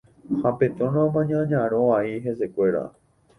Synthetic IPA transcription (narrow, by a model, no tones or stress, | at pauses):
hapet̪õñãmãɲãɲãɾ̃õaiɦese̞kʷe̞ɾa̰